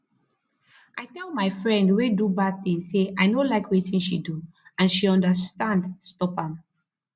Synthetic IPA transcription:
ʔaɪtɛlˠmaɪfɹɛ̃ndwedubad̚θĩŋsːeʔaɪnolaɪkwitĩnʃidu | ãnʃiɔ̃ndəstãndstɔpãm

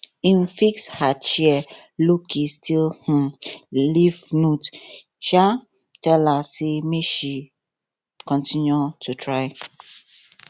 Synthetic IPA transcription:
ĩnfikshat͡ʃiɛlukʰistʰilhũlivnũt | t͡ʃa | tɛlassemeʃi | kɔ̃ntĩnutʰutʰɹaɪ

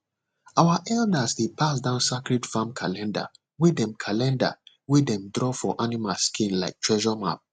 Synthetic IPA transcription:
awaʔɛldasdepʰasdãʊ̃nsakɹidfãmkʰalɛ̃nda̰ | wedɛ̃mkʰalɛ̃nda̰ | wedɛ̃mdɹɔfɔʔanimalskʰĩnlaɪk̚tʰɹɛʒɔma̰p̚

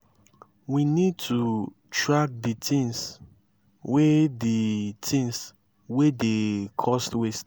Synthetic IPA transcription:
winid̚tʰu | tɹak̚ditĩŋs | weditʰĩŋs | wedekʰɔstwest

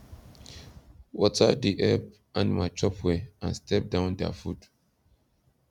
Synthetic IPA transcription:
wɔtadiʔɛp | ʔãnmaɪt͡ʃɔpweã̰nstʰɛp̚dãʊ̃ndɛ̰fud

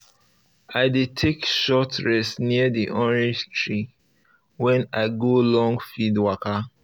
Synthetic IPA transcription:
aɪdetʰekʃɔtɹɛsniədiʔɔ̃nɹitʰɹi | wɛ̃naɪɡolɔ̃ŋɡfidwaka

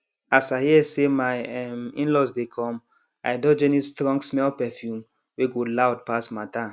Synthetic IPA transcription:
asaɪhiɛsemaɪɛmḭ̃nlɔsdekʰɔ̃m | aɪdɔd͡ʒɛnistɹɔ̃ŋɡsmɛlpɛfjũm | weɡolawd̚pasmatã

